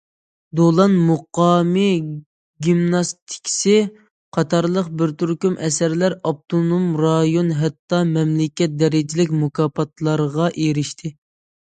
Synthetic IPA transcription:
d̪olˠɑnmoqɑːmɨ | ɡʲimnɑst̪ʰi̥kʲʰsɪ | qʰɑt̪ʰɑɾlˠəqbɪɾt̪ʰyɾkʲymʔɛsæɾlæɾɑp̚t̪ʰonomɾɑjonɦɛt̪ːɑmɛmlɪkʲɛt̪̚d̪ɛɾɪd͡ʒɪlɪk̬ʲmukɑːpɑt̪ʰlˠɑɾʁɑʔeɾɪʃt̪ʰɪ

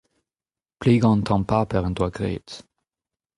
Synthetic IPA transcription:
pleːɡɑ̃nt̪ʰɑ̃mpapɛʁɛ̃nt̪waɡʁḛːt̪

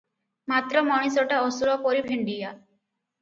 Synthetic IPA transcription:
mat̪ɾɔmɔɽ̃isɔʈaɔsuɾɔpɔɾibʱeɳɖija

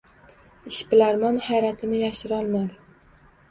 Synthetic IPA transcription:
ɪʃpɪlaɾmanhajɾat̪ʰɪnɪjaʃɪɾɒlˠmad̪ɪ

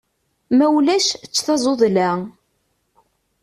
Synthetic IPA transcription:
mæwlæʃt͡sːθɑzˤoðˤlæ

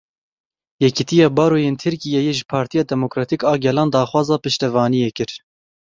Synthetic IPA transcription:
jɛkit̪ijɑːbɑːɾoːjeːnt̪ʰɨɾkijɛjeʒɨpʰɑːɾt̪ʰijɑːd̪ɛmokɾɑːt̪ikɑːɡɛlɑːnd̪ɑːxwɑːzɑːpɨʃt̪ɛvɑːnijekɨɾ

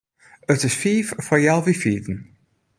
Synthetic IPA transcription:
ətɪsfiːvfɔɹjɛlˠvifiːvən

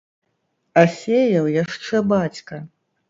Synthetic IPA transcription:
asʲejɐwjaʂt͡ʂɛbat͡sʲkɐ

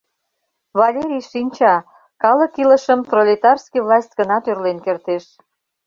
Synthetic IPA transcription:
βɑlʲeɾʲijʃinʲt͡ɕɑ | kɑləkilə̆ʃəmfrolʲet̪ɑrskijvlɑsʲt̪ʲɡ̥ənɑt̪ørlenkert̪eʃ

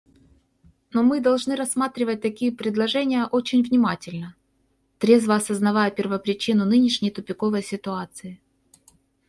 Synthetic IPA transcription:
nomɨd̪ɐlˠʐnɨɾɐsːmat̪ɾʲɪvət̚ʲt̪ɐkʲijəpɾʲɪd̪lˠɐʐɛnʲɪjəʔo̞t͡ɕɪnʲvnʲɪmatʲɪlʲnə | t̪ɾʲe̞zvəːsəznɐvajəpʲɪrvəpɾʲɪt͡ɕinʊnɨnʲɪʂnʲɪjt̪ʊpʲɪko̞vəjsʲɪt̪ʊat̪sɨɪ

